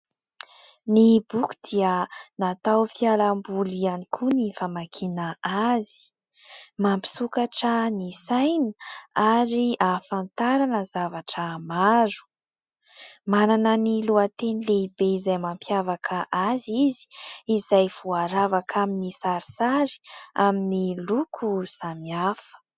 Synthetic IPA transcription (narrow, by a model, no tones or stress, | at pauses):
nibuku̥d̪̥iənat̪awfialambulianikʰunifamakʰinaazi̥ | mampi̥sukaʈ͡ʂənisajnəaɾiafant̪aɾanəzavaʈ͡ʂəmaɾu̥ | mananəniluat̪enileibeizajmampjavakʰəʔazizi̥izajv̥uaɾavakʰaminisaɾisaɾi̥aminilukʰuz̥amiafə̥